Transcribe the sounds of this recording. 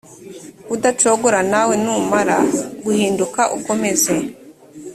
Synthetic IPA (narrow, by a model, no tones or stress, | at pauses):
udat͡ʃoɡoɾanawe̞numaɾa̰ɡuhiːndukaʔuko̞me̞ze